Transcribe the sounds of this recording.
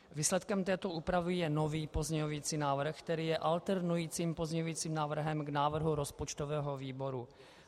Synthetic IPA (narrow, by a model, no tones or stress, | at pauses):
viːslɛt̪kɛmt̪ɛːt̪o̞ʔuːpɾavɪjɛnoviːpo̞zɲɛoviːt͡siːnaːvr̩xkt̪ɛɾiːjɛʔalt̪ɛɾnujiːt͡siːmpo̞zɲɛɲovjiːt͡siːmnaːvr̩ɦɛmɡnaːvr̩ɦuɾo̞spot͡ʃt̪ovɛːɦo̞viːbo̞ɾu